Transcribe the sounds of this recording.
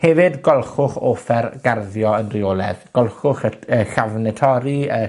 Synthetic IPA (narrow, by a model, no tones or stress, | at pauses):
hɛvɪdɡɔlˠχʊχoːfɛrɡarðjɔənrioːlˠɛ̰ðɡ̥ɔlˠχʊχəəɬavnɛtʰɔɾiə